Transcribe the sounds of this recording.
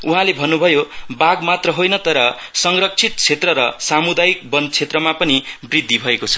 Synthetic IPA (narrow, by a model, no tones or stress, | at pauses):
uɦãlebʱʌnːubʱʌjobaɡmat̪rʌɦojnʌt̪ʌɾʌsʌŋrʌk̚t͡sʰit̪̚t͡sʰet̪rʌɾʌsamud̪ajik̚bʌnd̪̚t͡sʰet̪rʌmapʌnibrid̪ʱːibʱʌekot͡sʰʌ̥